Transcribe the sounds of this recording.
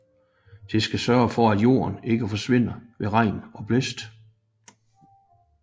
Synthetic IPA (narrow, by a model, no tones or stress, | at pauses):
d̥e̝sɡ̥æsɶɐfɒ̽æd̥jo̝̰ːɐne̝ɡ̥əfɒ̽sʋe̝n̰ɐʋe̝ʁɑ̈ɪ̰nɒ̽b̥lesd̥